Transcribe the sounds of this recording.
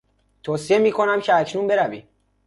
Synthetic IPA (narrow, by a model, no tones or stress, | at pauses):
t̪ʰoːsije̞miːkʰo̞næmcʰeæcʰnunbe̞ɾævḭ